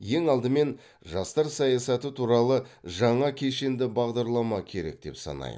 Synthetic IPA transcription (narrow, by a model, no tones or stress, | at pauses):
je̞ŋɑlˠd̪əme̞n | ʒɑst̪ɑɾsɑjɑsɑt̪ət̪ʰuɾɑlˠəʒɑɴɑkʲʰe̞ʃe̞nd̪ɪbɑʁd̪ɑɾlˠɑmɑkʲʰe̞ɾe̞̰k̚d̪e̞̰psɑ̰nɑ̰jə̰